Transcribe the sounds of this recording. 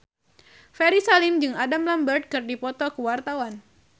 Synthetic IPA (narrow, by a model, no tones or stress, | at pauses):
fɛɾisalimd͡ʒɨŋadamlambərt̪̚kɨrdipɔt̪ɔkuwart̪awan